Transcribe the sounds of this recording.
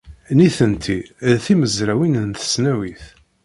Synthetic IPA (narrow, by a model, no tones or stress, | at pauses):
niθənt̪ʰiθiməzɾæwinənθə̥snæwiθ